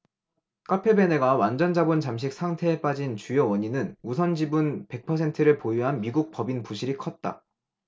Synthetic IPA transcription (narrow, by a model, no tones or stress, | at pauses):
k͈apʰe̞be̞ne̞ɡawand͡ʑʌnd͡ʑabont͡ɕamɕ̬ʰik̚sʰaŋtʰe̞ep͈ad͡ʑint͡ɕujowʌɲinɯnus̬ʰʌnd͡ʑibunpe̞k̚pʰʌs̬ʰe̞ntʰɯɾɯɭpojuɦanmiɡuk̚p͈ʌbinpuɕʰiɾikʰʌt̚t͈a̰